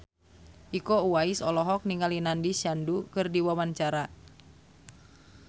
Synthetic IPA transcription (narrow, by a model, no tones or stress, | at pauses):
ʔikouaisɔlɔɦɔk̚niŋalinandisjandukɨrdiwawant͡ʃaɾa